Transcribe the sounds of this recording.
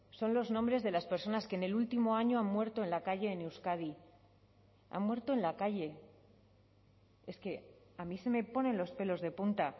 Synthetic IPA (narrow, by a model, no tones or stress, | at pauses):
so̞nlo̞znõmbɾe̞zðe̞laspe̞ɾso̞naskene̞lult̪imo̞aɲo̞ammwe̞ɾt̪o̞enlakaʝe̞ːnewskaði | a̰mmwe̞ɾt̪o̞enlakaʝe̞ | e̞ske̞ | amise̞me̞po̞nẽ̞nlo̞spe̞lo̞zðe̞punt̪a